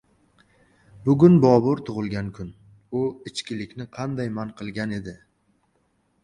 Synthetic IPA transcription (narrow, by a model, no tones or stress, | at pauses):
bʊɡʲʊnbɒbʊɾt̪ʰʊʁɨlˠɡʲankʰʊn | ʊɪt͡ʃkʲɪlɪkʲnɪqʰɑnd̪ajmanqɨlˠɡʲane̞d̪ɪ